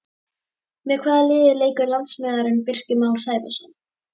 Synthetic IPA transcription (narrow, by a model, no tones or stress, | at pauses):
mɛðkʰvaːðalɪːðɪleːjkʏɾlant̪smɛːðaɾɪnpɪr̥cɪmaːwɾ̥saːjpʏ̰sʏn